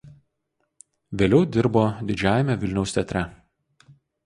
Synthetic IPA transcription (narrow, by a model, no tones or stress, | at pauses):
ʋʲeːlʲɛʊd̪ʲɪɾboːd̪ʲɪd͡ʒʲæːjɛmʲɛʋʲɪlʲnʲɛʊsʲt̪ʲɛt̪ʲɾʲɛ